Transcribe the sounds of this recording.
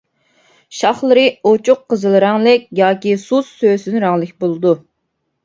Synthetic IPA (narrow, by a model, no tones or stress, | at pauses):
ʃɑχlˠɨɾɨot͡ʃʰʊqːəzɨlˠɨɾɑŋlˠɪkʲjɑːkʲisuzsøːsynɾɑŋlˠɨk̚ʲbolˠɨd̪u